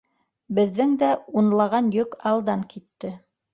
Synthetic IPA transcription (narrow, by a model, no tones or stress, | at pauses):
bɘ̆ðːɘŋd̪æunlˠɑʁɑnjɵkɑlˠd̪ɑŋkit̪ːɘ